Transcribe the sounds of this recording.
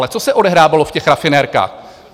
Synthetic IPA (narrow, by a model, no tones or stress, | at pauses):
lɛt͡so̞sɛʔo̞dɛɦɾaːbalofcɛxɾafɪnɛɾka̰ːx